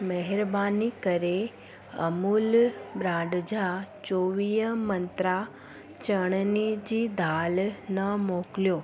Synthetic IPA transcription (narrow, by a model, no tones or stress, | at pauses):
mɛɦɛɾbanikəɾe | əmulbɾãɖd͡ʒat͡ʃoʋijəmənt̪ɾa | t͡ʃəɳ̃nid͡ʒid̪ʱalnəmokljo